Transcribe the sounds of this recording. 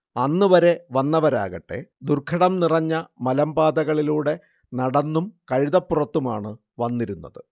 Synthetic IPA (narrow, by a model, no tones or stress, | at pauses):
ɐnːɨʋɐɾe̞ʋɐnːɐʋɐɾa̰ːɣɐʈːe̞̰d̪urkʰɐɽɐmnirɐɲːɐmɐlɐmbaːd̪ɐɣɐɭiluːɽe̞ | nɐɽɐnːumkɐɻiðɐpːurɐt̪ːumaːɳɨ | ʋɐnːiɾunːɐ̰ðɨ